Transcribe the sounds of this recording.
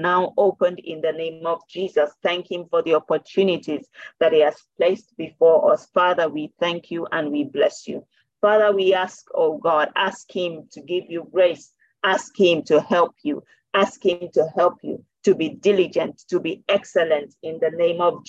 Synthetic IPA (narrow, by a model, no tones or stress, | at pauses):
naʊʔoʊpə̃ndɪ̰̃nðɨnẽɪ̃mʌvd͡ʒizʌsθæ̃ŋkhɪ̃ɱfɔ˞ðiɑpə˞tʰʉnɪtizðɨt̚hiɨz̥p̚ʰl̥eɪstb̥ifɔɹʔʌsfɑðə˞wiθæ̃ŋkʰjuʔə̃nwiblɛsjṵ | fɑðə˞wiæskʰoʊɡɑɾæskhɪ̃mtʰɨɡɪvjuɡɹeɪs | æskhɪ̃mtʰɨhɛlˠpʰjṵ | æskhɪ̃mtʰɨhɛlˠpʰjṵ | tɨbidɪlid͡ʒɨ̃ntʰːɨbiɛksɨlɨ̃ntɪ̃nðɨnẽɪ̃mʌv